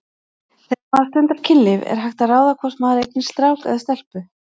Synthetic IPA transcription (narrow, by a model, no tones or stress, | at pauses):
θɛsmaðast̪ʏnt̪aɾcʰɪnːɪvɛ̰ɾ̥ɦajxt̪araːwðakʰvɔr̥smaːðɾejt̪nɪst̪ɾawkɛ̰ðast̪ɛl̥pʏ